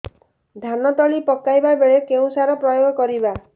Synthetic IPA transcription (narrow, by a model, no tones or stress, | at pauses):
d̪ʱanɔt̪ɔɭipɔkajbabeɭekeũsaɾɔpɾɔjoɡʱɔkɔɾiba